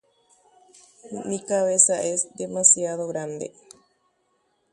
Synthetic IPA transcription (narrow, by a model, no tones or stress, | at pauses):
mĩkaβesaʔesd̪emasjaðoɣɾand̪ḛ